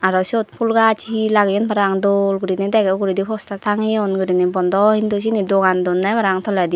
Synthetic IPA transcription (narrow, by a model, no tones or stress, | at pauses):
aɾɔsiɔt̪̚pʰulɡat͡ʃʰiilaɡɛjɔnpaɾaŋd̪olɡuɾinid̪ɛɡɛɡuɾid̪ipʰɔst̪at̪ʰaŋijɔnɡuɾinibɔnd̪ɔhind̪us̬inid̪ɔɡand̪ɔnːɛbaɾaŋt̪ʰɔlad̪i